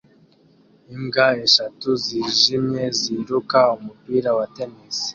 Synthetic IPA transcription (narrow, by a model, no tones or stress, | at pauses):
iŋɡaeʃatuziʒimɲje̞ziɾukaumupiːɾawate̞misi̥